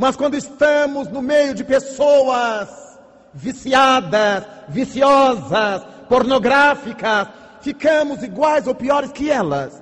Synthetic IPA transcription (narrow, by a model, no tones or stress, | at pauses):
mɐskwɐ̃nd̪ʊɪst̪ɐ̃mʊznʊmejʊd͡ʒɪpesowɐz | visiad̪ɐs | visiɔzɐs | poɾnoɡɾafikɐs | fikɐ̃mʊziɡwajzowpiɔɾɪskɪɛlɐ̰s